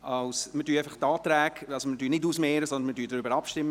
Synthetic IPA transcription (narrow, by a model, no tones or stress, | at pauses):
ɑwsmədyːɛɪfɑχtɑːt̪ɾɛæːɡɑlsomədyːnɪduːsmɛːɾəsɔndənmədyːdɾʏbəɾɑpʃtɪmːə